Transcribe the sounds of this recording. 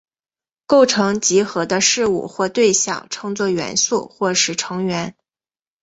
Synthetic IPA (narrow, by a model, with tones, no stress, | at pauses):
ko˥˩ʊʈ͡ʂʰɤ˧˥ŋt͡ɕi˧˥xɤ˧˥d̪ə˧ʂɻ̩˥˧ṵ˥˩xwɔ˥˧t̪we˥˧ɪɕjɑ̰˥˩ŋʈ͡ʂʰɤ˧˥ŋt͡swɔ˥˩ɥɛ̰˧˥nsu˥˩xwɔ˥˩ʂɻ̩˨˩ʈ͡ʂʰɤ˧˥ŋɥɛ˧˥n